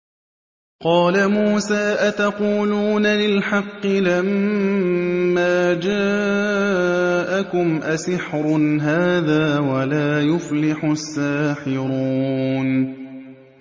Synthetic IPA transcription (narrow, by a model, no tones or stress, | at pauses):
qɑːlamuːsaːʔat̪ɑquːluːnalɪlħɑqːɪlam | aːd͡ʒaː | ʔakʊmʔasɪħɾʊnɦaːðaːwalaːjʊflɪħʊsːaːħɪɾuːn